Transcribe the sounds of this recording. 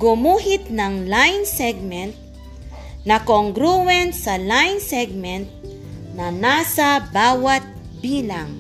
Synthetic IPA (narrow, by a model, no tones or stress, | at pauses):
ɡʊmuːɦɪt̪̚nɐŋlajnsɛɡ̚mɛnt̪̚ | nɐkoŋɡɾuwɛnsɐlajnsɛɡ̚mɛnt̪̚ | nɐnaːsɐbaːwat̪̚ | biːlaŋ